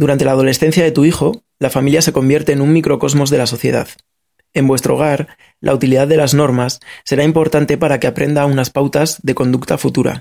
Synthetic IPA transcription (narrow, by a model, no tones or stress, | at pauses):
d̪uɾant̪e̞laːð̞o̞le̞sθe̞n̟θjaðe̞t̪uixo̞ | lafamiljase̞ko̞mbje̞ɾt̪e̞ːnuŋmikɾo̞ko̞zmo̞zðe̞laso̞θje̞̰ða̰ð | e̞mbwe̞st̪ɾo̞ɣaɾ | lʔa̰ut̪iliðaððe̞lazno̞ɾmasːe̞ɾaimpo̞ɾt̪ant̪e̞paɾake̞apɾe̞nd̪aunaspawt̪azðe̞ko̞nd̪ukt̪afut̪uɾa̰